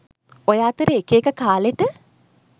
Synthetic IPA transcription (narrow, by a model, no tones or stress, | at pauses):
ojaːt̪əɾeːkeːkəkaːleʈə